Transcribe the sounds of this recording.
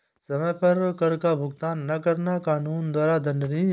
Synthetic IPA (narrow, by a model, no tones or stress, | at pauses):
sɐmɛ̃pɐɾkɐɾkabʱʊɡt̪aːnːɐkɐɾnakaːnuːnd̪waːɾad̪ʱɐnɾi